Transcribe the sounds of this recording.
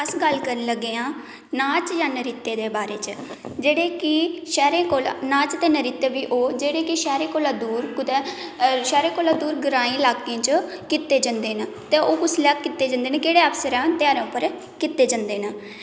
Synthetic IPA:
əsɡəlkəɾənləɡːeːãː | nãːt͡ʃjaːnəɾiːt̪ːeːd̪eːbaːɾeːt͡ʃd͡ʒeːɽeːkɪʃɛːɾẽːkoːlanãːt͡ʃt̪eːnəɾiːt̪eːbiːʔoːd͡ʒeːɽeːkɪʃɛːɾẽːkoːlaːd̪uːɾkʊt̪eːʃɛːɾẽːkoːlaːd̪uːɾɡəɾaːĩːɪlaːkẽːt͡ʃ | kɪt̪ːeːd͡ʒənd̪eːna | t̪eːʔoːkʊslɛːkːɪt̪ːeːd͡ʒãnd̪eːneːkeːɽeːapsəɾɛ̃ːnt̪ɪjaːɾãːʊpːəɾ | kɪt̪ːeːd͡ʒə̃nd̪eːnaː

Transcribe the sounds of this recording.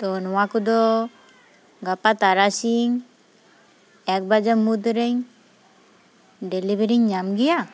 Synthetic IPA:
t̪ɔnɔwakud̪ɔ | ɡapat̪aɾasiŋ | ɛk̚bad͡ʒamud̪ɾeɲ | delibeɾiɲɲamɡija

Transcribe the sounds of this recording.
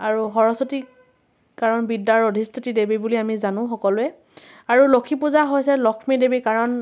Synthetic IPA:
aɹuɦɔɹɔsɔti | kaɹɔnbidːaɹodʱistʰitidebibuliamizanʊ̃xɔkɔlʊɛ | aɹulokʰipuzaɦojsɛlɔkʰmidebikaɹɔn

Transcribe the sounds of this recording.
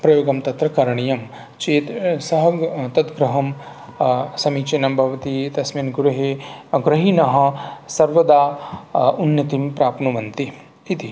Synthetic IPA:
pɾɐjoːɡɐmt̪ɐt̪ɾɐkɐɾɐɳijɐm | t͡ʃeːt̪sɐɦɐt̪ɐt̪ɡɾɐɦɐm | sɐmiːt͡ʃenɐmbʱɐʋɐt̪it̪ɐsmiːnɡuɾuɦeɡɾɐɦinɐɦɐ̆sɐɾʋɐd̪aː | unjɐt̪impɾaːpnuʋɐnt̪i | it̪i

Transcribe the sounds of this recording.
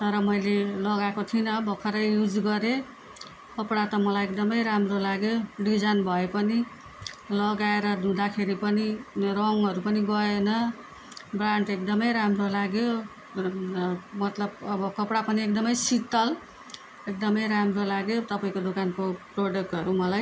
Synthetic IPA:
t̪ʌɾʌmʌjlelʌɡakot̪ʰinʌbʌkʰʌɾʌjjud͡zɡʌɾe | kʌpɽat̪ʌmʌlajek̚d̪ʌmʌjɾamrolaɡjoɖid͡zanbʱʌepʌni | lʌɡaeɾʌd̪ʱũd̪akʰeɾipʌnirʌŋɦʌɾupʌniɡʌenʌ | braɳʈekd̪ʌmʌjɾamrolaɡjo | mʌt̪lʌbʌbʌkʌpɽapʌniek̚d̪ʌmʌjsit̪ːʌl | ek̚d̪ʌmʌjɾamrolaɡjot̪ʌpaĩkod̪okankoproɖʌk̚ʈɦʌɾumʌlaj

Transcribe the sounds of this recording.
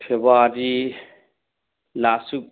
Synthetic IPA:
pʰebaɾi | lasuk

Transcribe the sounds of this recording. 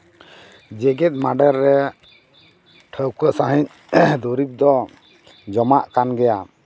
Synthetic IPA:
d͡ʒɛɡɛt̪̚ˀmaɖɛɾːɛ | ʈʰəwkəsaɦiɲ | d̪uɾip̚d̪ɔ | d͡ʒɔmaʔkanɡɛja

